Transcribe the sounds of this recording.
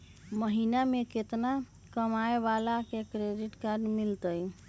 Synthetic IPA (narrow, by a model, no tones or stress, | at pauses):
məɦinameket̪na | kəmaebalakekɾeɖiʈkaɾɖmilt̪əj